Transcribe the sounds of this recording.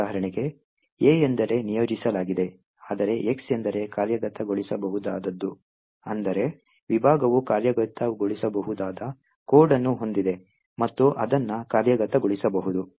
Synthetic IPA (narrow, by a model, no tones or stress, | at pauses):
aːɦɐɾɐɳiɡe̞ | eːend̪ɐɾe̞nijo̞ːd͡ʒisɐlaːɡid̪e̞ | aːd̪ɐɾe̞ʔeksend̪ɐɾe̞kaːɾjɐɡɐt̪ːɐɡoɭisɐbɐɦud̪aːd̪ɐd̪ːu | ɐnd̪ɐɾe̞ | ʋibʱaːɡɐʋukaːɾjɐɡɐt̪ːɐɡoɭisɐbɐɦud̪aːd̪ɐ | koːɾɖɐnːuɦo̞nd̪id̪e̞ | mɐt̪ːuʔɐd̪ɐnːɐkaːɾjɐɡɐt̪ɐɡoɭisɐbɐɦud̪u